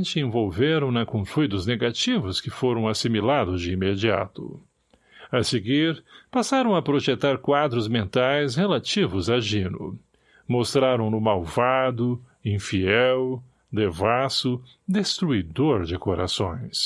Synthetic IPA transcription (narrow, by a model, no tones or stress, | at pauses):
t͡ʃɪẽvowveɾɐ̃w̃nɐkõfujd̪ʊzneɡat͡ʃivʊskɪfoɾɐ̃w̃asimilad̪ʊzd͡ʒɪimed͡ʒia̰t̪ʊ̰ | aseɡiɾpasaɾɐ̃w̃ɐpɾoʒet̪aɾkwad̪ɾʊzmẽnt̪ajshelat͡ʃivʊzaʒĩnʊ̰ | most̪ɾaɾɐ̃w̃nʊmawvad̪ʊ | ĩfiɛw | d̪evasʊ | d̪est̪ɾuid̪oɾd͡ʒɪkoɾa̰sõ̰j̃s